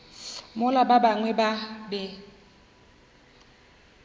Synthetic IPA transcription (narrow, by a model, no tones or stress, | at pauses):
mʊlababaŋwɛbabɛ